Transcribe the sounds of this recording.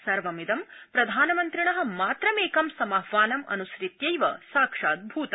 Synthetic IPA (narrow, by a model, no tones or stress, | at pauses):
sɐɾʋɐmid̪ɐmpɾɐd̪ʱaːnɐmɐnt̪ɾiɳɐɦɐ̆maːt̪ɾɐmeːkɐmsɐmɐɦʋaːnɐmɐ̰nusɾit̪jɐjʋɐ̰saːkʂaːd̪̚bʱuːt̪ɐ